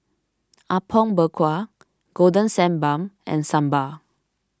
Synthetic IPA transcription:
ʔapʰɔ̃nbəkʰwa | ɡ̥odə̃nsɛ̃nbãmɛ̰̃nsãmba

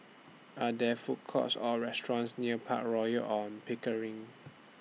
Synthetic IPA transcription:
adɛfut̚kʰɔ̰sɔɹɛstɹɔ̃nsniəpʰa̰t̚ɹɔjəʔɔ̃npʰikəɹĩŋ

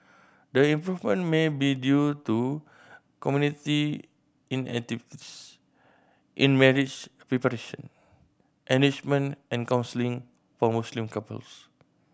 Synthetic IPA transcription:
dəɛ̃mpɹuvmə̃nmẽbidjut̪u | kɔmjũnit̪i | ĩnɛ̰k̚t̪ivitis | ʔḭ̃nmɛɹitt͡ʃpɹɛpəɾeʃə̰̃n | mɛ̃nit͡ʃmə̃nʔɛ̃nkãwnsəlĩŋ | fɔmuslĩmkapə̰ls

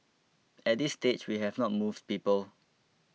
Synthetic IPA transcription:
ɛt̚disːtet͡ʃwiɦɛvnɔt̚muvd̚piːpəl

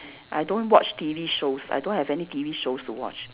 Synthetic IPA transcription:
ʔa̰jdõnwɔt͡ʃtiviʃosa̰jdõnhɛvɛnitiviʃostuwɔ̰t͡ʃ

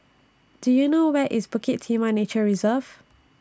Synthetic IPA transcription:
d̥ujunowɛʔʔḭzbʊkʰɪtʰːĩmanet͡ʃəɹizəv̥

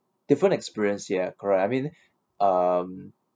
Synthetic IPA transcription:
d̥ifɹə̃nɛkspiɹiə̃nsjɛkʰɔɹɛtajmĩn | ʔʌm

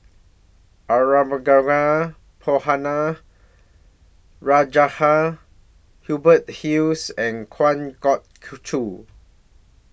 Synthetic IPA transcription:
ʔaɹaməɡaɹa | pʰohana | ɹad͡ʒaha | hjubət̚hiwsɛ̃nkʰwãnkɔt̚kʰut͡ʃʰu

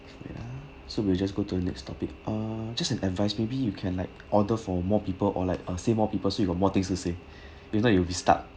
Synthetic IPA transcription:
a̰ | sowild͡ʒas̬ɡotuənɛ̰kstʰɔpɪk̚ʔəd͡ʒasɛ̃nɛdvaɪsmebijukʰɛ̃nlaɪk̚ʔɔdəfɔmɔpipəlʔɔ̰laɪkəsemɔpipəlsojuɡɔt̚mɔt̪ɪ̃ŋstuse | ifnɔɛiwəbista̰t̚

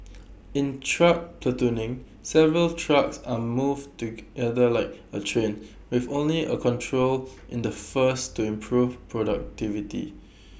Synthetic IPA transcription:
ɪ̃ntʰɹak̚pʰlətunɪ̃ŋ | sɛvəɹəltʰɹaksamuvtuɡɛdəlaɪk̚ətʰɹẽn | wɪvõnliʔə̰kʰɔ̃ntʰɹolʔɪ̃ndəfəstːuɪ̃mpʰɹuvpʰɹɔdak̚tivitḭ

